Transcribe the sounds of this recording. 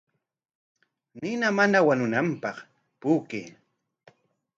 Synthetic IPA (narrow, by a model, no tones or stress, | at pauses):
nɪnamanawanʊnampɑχ | pʊːkḛː